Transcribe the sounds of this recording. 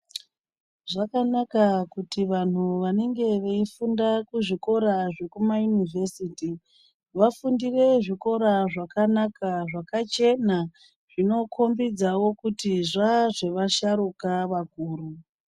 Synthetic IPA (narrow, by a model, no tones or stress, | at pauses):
ʐakanakakutiʋan̤uʋaneŋɡe̞ʋe̞ifundakuʐiko̞ɾaʐe̞kumajunivʱe̞siːti | ʋafundire̞ʐiko̞ɾaʐakanakaʐakat͡ʃe̞na | ʐ̥ino̞kʰo̞mbid͡zawo̞kutiʐaʐe̞ʋaʃaɾukaʋakuːɾu